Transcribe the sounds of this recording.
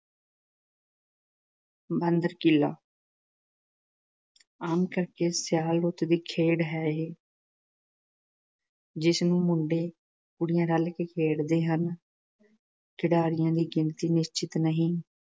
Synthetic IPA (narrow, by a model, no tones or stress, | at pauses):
bənd̪əɾkila̰ː | aːmkəɾkeːsɪjaːlɾʊt̪d̪iːkʰeːɽɦɛːɦeː | d͡ʒɪsnũːmʊɳɖeː | kʊɽɪjãːɾəlkekʰeːɽd̪eːɦən | kʰɪɽaːɾɪjãːd̪iːɡɪnt̪iːnɪst͡ʃɪt̪nəɦĩː